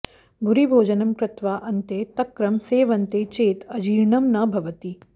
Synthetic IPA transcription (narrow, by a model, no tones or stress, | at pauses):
bʱʊɾibʱoːd͡ʒɐnɐmkɾɪt̪ʋaːʔɐnt̪eːt̪ɐkɾɐmseːʋɐnt̪et͡ʃeːt̪ɐd͡ʒiːɾɳɐmnɐbʱɐʋɐt̪i